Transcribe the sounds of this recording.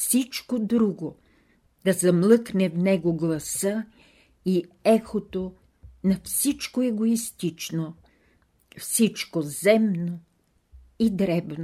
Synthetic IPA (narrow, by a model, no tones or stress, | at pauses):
fsit͡ʃkod̪ɾuɡo | d̪̥ɐzɐmlˠɤknɛvnɛɡoɡlˠɐsə | i | ɛxot̪o | nɐfsit͡ʃkoɛɡoist̪it͡ʃno | fsit͡ʃkozɛmno | id̪ɾɛbno